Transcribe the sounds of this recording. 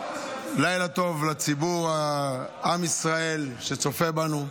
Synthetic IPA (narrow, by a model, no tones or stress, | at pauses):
lajlat̪o̞vlat͡sibuʁaamisʁae̞lʃe̞t͡so̞fe̞banu